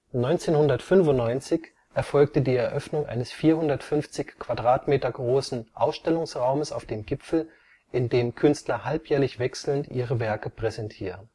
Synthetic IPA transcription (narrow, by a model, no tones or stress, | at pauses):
nɔʏnt͡seːnhʊndɐtfʏnvʊntnːɔʏnt͡sɪç | ʔɛɐfɔlk̚tədiːɛɐʔœfnʊŋʔa̰ɪnəsfiːɐhʊndɐtfʏnft͡sɪçkːv̥adʁaːtmeːtɐɡʁoːsn̩ʔaʊsʃtɛlʊŋsʁaʊməsa̰ʊfd̥eːmɡɪpfl̩ | ʔɪndeːmkʰʏnstlɐhalpjɛːɐlɪçv̥ɛksl̩ntʔiːʁəvɛɐkəpʁ̥ɛzɛntʰiːʁən